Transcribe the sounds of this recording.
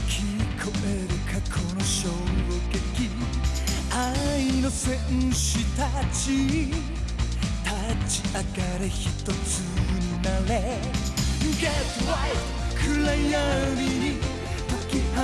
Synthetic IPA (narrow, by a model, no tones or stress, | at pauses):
kʰikʰoʔeɾɯkʰakʰonoɕoɾokeki | ainosẽɕit̪at͡ɕi | t̪ʰat͡ɕi̥ʔakaɾeçit̪ot͡sɯɲinale | ɡatwa | kʰɯlajaɾi | t̪akih